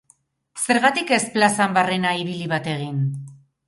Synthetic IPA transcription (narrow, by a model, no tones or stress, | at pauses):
se̞ɾɣat̪ike̞splasambare̞naiβiliβat̪e̞ɣ̞in